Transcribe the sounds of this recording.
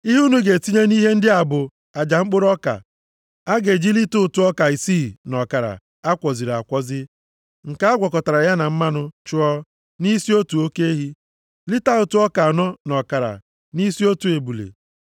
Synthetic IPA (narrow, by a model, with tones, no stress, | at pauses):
i˦ɦu˦nu˦ɡe˨ti˦ɲe˦ni˦ɦe˦n̩˦dɪ˦a˨bʊ˨ | a˨d͡ʒa˨ŋ͡m̩˦k͡pʊ˦ɾɔ˦ka̰˨ | a˦ɡe˨d͡ʒi˦li˦tʊ˦ʊ˨tʊ˦ɔ˦ka˨i˨si˦˨nɔ˨ka˨ɾa̰˨ | a˦kʷɔ˨zi˨ɾa˨kʷɔ˦zɪ˦ | ŋ̩˨ka˦a˦ɡʷɔ˨kɔ˨ta˨ɾa˨ja˦na˨m̩˦ma˦nʊ˦t͡ʃʊ˦ɔ˦ | ni˦si˦o˦tu˨o˦ke˦e˦ɦi˦ | li˦ta˦ʊ˨tu˦ɔ˦ka˨nɔ˦nɔ˨ka˨ɾa̰˨ | ni˦si˦o˦tu˨e˨bu˨lḛ˨